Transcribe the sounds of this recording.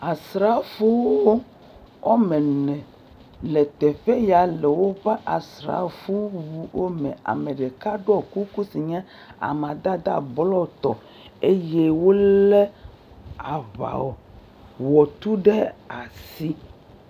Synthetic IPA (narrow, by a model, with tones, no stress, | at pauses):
a˨sɾa˦fu˦wo˦ | ɔ˦mɛ˨nɛ̃˨ | le˨t̪ɛ˨ɸe˦ja˨lɛ˨wo˦ɸɛ˦ʔa˨sɾa̰˨fu˦wu˦wo˦mɛ̃˨a̰˨me˨ɖe˨ka˦ɖo˦ɔ˨ku˦ku˦si˨ɲɛ̃˦ | a̰˨mã˨d̪a˦d̪a̰˦blɔ˦˨t̪ɔ̰˨ | e˦je˦wo˦lɛ˦ | a˨βa̰˨o˨ | wɔ˨t̪u˦ɖe˦a˨si˦